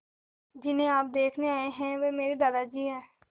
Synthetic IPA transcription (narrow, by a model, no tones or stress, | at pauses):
d͡ʒɪnɦẽaːp̚d̪eːkʰneaːeɦɛ̃ʋeːmeːɾid̪aːd̪ad͡ʒiːɦɛː